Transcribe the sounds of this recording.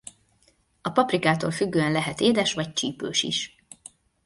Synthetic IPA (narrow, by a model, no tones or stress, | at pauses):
ɒpɒprikaːt̪oːlfyɡːøːɛnlɛɦɛt̪eːd̪ɛʃʋɒc̚t͡ʃiːpøːʃḭʃ